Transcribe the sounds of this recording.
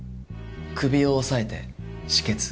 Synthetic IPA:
kʰɯ̟bʲio̞ːsae̞t̪ḛ | ɕi̥ke̞t͡sɨ̥

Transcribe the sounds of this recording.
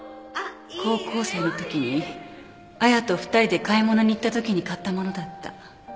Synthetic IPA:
kʰo̞ːko̞ːse̞ːnot̪o̞kʲiɲ̟i | ajat̪o̞ɸɯ̥t̪aɾʲid̪e̞kaimo̞no̞ɲ̟iːt̪ːat̪o̞kʲiɲ̟ikat̪ːamo̞no̞d̪at̪ːa̰

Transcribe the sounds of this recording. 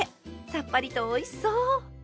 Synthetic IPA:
sapːaɾʲit̪oːisoː

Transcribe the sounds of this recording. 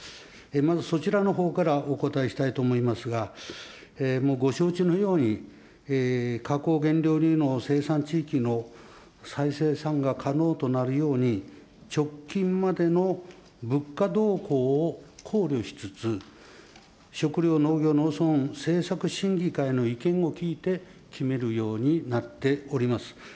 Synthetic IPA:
emazɨso̞t͡ɕiɾano̞ɦo̞ːkaɾaʔoko̞t̪aeɕi̥t̪ait̪o̞ːmo̞imasɨɡa | emo̞ːɡo̞ɕo̞ːt͡ɕino̞jo̞ːɲi | ekʰako̞ːɡẽ̞nɾʲo̞ːɾino̞se̞ːsãɲt͡ɕiːkʲino̞ | saise̞ːsãŋɡakʰano̞ːt̪o̞naɾɯ̟jo̞ːɲ̟i | t͡ɕo̞kʲːĩmmad̪e̞no̞ | bɯ̟kːad̪o̞ːko̞ːkʰo̞ːɾʲjo̞ɕi̥t͡sɨt͡sɨ | ɕo̞kɯ̟ɾʲo̞ːno̞ːɡʲo̞ːno̞ːsõ̞ñse̞ːsakɯ̟ɕĩŋɡʲikaino̞ikẽ̞ɰŋ̃o̞kʲiːt̪e̞ | kʲʰime̞ɾɯ̟jo̞ːɲ̟inat̪ːe̞o̞ɾʲimasɨ̥

